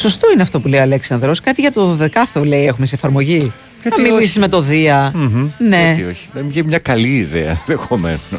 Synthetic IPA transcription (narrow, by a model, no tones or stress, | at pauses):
so̞st̪o̞ineɐft̪o̞pule̞ioɐleksɐnd̪ɾo̞skɐt̪iʝɐt̪o̞ðoðe̞kɐθoleiexumesiefɐɾmo̞ʝi | ɐmiisizme̞t̪o̞ðiɐne̞ioçi̥nɐmiʝemɲɐkɐliːðḛɐ̰ðexo̞mḛno